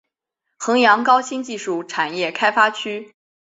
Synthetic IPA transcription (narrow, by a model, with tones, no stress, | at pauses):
xɤ˧˥ŋjɑ˧˥ŋkɑ˥ʊɕi˥nt͡ɕi˥˧ʂu˥˩ʈ͡ʂʰa˨˩njɛ˥˩kʰa˥ɪfa˥t͡ɕʰy˥